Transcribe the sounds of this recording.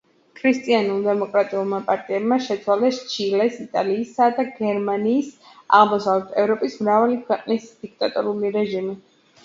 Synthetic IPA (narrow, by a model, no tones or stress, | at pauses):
kʰɾist̪ʼianulˠd̪ɛmɔkʼɾat̪ʼiulˠmapʼaɾt̪ʼiɛbmaʃɛt̪sʰwalɛst͡ʃʰilɛsit̪ʼaliːsad̪aɡɛɾmaniːs | aʁlˠmɔsavlɛt̪ʰɛvɾɔpʼismɾavalikʰwɛqʼnisd̪̥ik̚t̪ʼat̪ʼɔɾuliɾɛʒimi